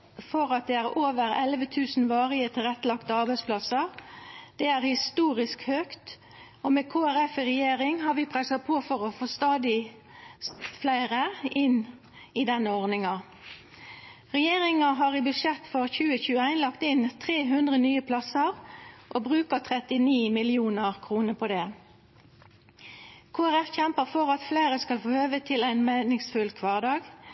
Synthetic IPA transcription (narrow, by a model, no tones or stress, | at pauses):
fɔʁɑt̪̚d̪ɛːæːʁoːʋəʁɛlʋət̪ʰʉːsn̩ʋɑːʁɪət̪ʰɪlɛt̪ːlɑkt̪əɑʁbæɪspʰlɑsəʁd̪̥ɛːæːʁhɪst̪uːʁɪskhøːkt̪ | oːmeːkʰoːæʁɛfɪʁɛjeːʁɪŋhɑʁʋɪpʰʁɛsɑpʰoːfɔʁofoːst̪ɑːd̪ɪ | flæɪʁəɪn | id̪ɛnːəɔʁnɪŋɑ | ʁɛjeːʁɪŋɑɦɑːʁiːbʉʂjɛt̪ːfɔʁçʉːəçʉːəæɪnlɑkt̪ɪnt̪ʰʁeːɦʉnd̪ʁənyːəpʰlɑsəʁʔoːbʁʉːkət̪ʰʁɛt̪ɪniːmɪlɪuːnəʁkʰʁuːnəpʰɔd̪ɛː | kʰoːæʁæfçɛmpəʁfɔʁɑt̪fleɪʁəskɑlfoːhøːʋət̪ʰɪlæɪnmæɪnɪŋsfʉlkʰʋɑːʁd̪ɑːɡ